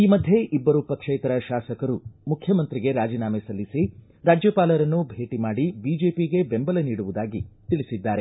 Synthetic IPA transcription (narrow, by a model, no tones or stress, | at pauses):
iːmɐd̪ʱje̞ʔibːɐɾupɐkʂejt̪ɐɾɐʃaːsɐkɐɾumukʰjɐmɐnt̪ɾiɡe̞ɾaːd͡ʒiːnaːmesɐlːisi | ɾaːd͡ʒjɐpaːlɐɾɐnːubʱe̞ːʈimaːɽibiːd͡ʒe̞ːpiɡe̞bembɐlɐniːɽuʋud̪aːɡit̪iɭisid̪ːaːɾe̞